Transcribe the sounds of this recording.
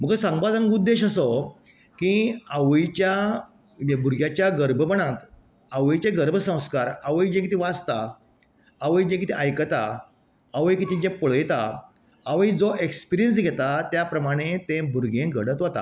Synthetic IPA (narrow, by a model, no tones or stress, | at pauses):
m̤əɡəsãŋɡbad͡zãŋɡud̪ːeɕəsɔ | kiaʋəjt͡ɕja | bʱuɾɡjat͡ɕjaɡəɾbʱəpəɽ̃ãt̪ | aʋəjt͡ɕeɡəɾbʱəsə̃w̃skaɾaʋəjd͡ʑẽkit̪iʋad͡zt̪a | aʋəjd͡ʑẽkit̪iʔajkət̪aː | ʋəjkit̪id͡ʑẽpəɭjt̪aː | ʋəjid͡zoʔekspiɾijəns̬ɡʱɛt̪at̪japɾəmaɽ̃et̪ẽbʱuɾɡʱẽɡəɽət̪ʋət̪a̰